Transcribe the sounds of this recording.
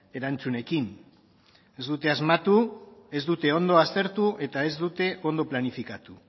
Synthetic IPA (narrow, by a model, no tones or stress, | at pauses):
e̞ɾant͡sune̞kin | e̞zd̪ut̪e̞azmat̪ue̞zd̪ut̪e̞o̞nd̪o̞ast̪e̞ɾt̪uʔe̞t̪ae̞zd̪ut̪e̞ʔo̞nd̪o̞planifikat̪u